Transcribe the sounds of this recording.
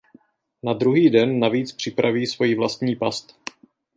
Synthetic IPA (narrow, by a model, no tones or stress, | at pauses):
nad̪ɾuɦiːdɛnːaviːt͡spr̝̥ɪpɾʔaviːsvo̞jiːvlast̪ɲiːpast̪